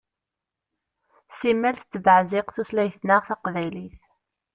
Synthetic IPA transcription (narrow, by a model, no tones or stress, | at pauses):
simːælθt͡s̪ːvəʕzɪqθuθlæjθnəʁθæqvæjliθ